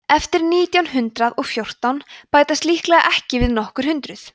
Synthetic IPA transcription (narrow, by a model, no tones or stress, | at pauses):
ɛft̪ɪɾniːt̪jawnɦʏnt̪ɾaðɔɣfjowr̥t̪awnpaːjt̪ast̪lihklɛɣa̰ʔɛhcɪvɪðnɔhkʏɾ̥hʏnt̪ɾʏθ